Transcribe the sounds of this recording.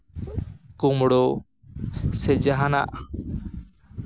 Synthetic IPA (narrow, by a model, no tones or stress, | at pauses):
kumɽɔ | sɛd͡ʒaɦana̰ʔ